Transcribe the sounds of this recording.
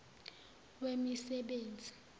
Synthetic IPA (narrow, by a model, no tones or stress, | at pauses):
wemisɛɓeːnd͡zʱi